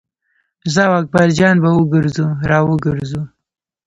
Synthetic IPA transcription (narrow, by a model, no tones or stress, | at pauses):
zawak̚baɾd͡ʒɑnbawəɡəɾzuɾɑwəɡəɾzu